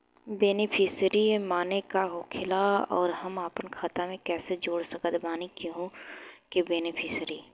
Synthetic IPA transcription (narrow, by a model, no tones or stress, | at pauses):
beːnɪpʰɪsɾimaːnekaɦʊːkʰɪlaɔːɾhɐmaːpənkʰaːt̪amẽkɛːsed͡ʒoːɽsɐkət̪baːnikiɦũkebeːnɪpʰɪsɾi